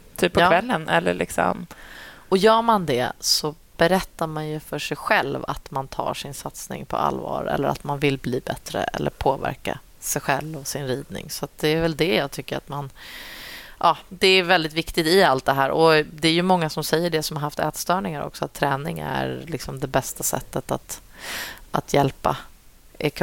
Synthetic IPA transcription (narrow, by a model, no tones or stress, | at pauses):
t̪ʰyːpːpʰːɔkːvɛlːənɛlːəɭɪksɔ̰m | ɔjœːɾmand̪ɛsɔ | b̥ɛɾɛt̪ːamanjɵfœʂɛjɧɛlva̰t̪mant̪ʰɑ̰ːʂɪnsat̪snɪ̰ŋpʰɔ̰a̰lvɑːɾɛ̰lːəɾa̰t̪manvɪlbliːbɛt̪ɾə̰ɛ̰lːəɾpʰoːvæ̰ɾka̰ | sɛjɧɛlvɔsɪnɾiːd̪̚nɪ̰ŋsɔat̪̚d̪ɛːɾvɛld̪ɛjɑːɡ̚t̪ʰʏkːəɾa̰t̪man | ʔɑːd̪ɛːɾvɛld̪ɪt̪vɪkt̪ɪt̪ɪalt̪̚d̪ɛɦæːɾʔɔd̪ɛːɾjɵmɔŋːasɔmsɛjːəɖɛsɔmhaɾɦhaft̪ɛːt̪st̪œːɳɪŋaɾɔ̰ksɔat̪ʰːɾɛːnɪŋæ̰ɾlɪksɔmd̪ɛbɛst̪asɛ̰t̪ːət̪at̪ | ʔat̪ʰjɛlpa | ɛkʰ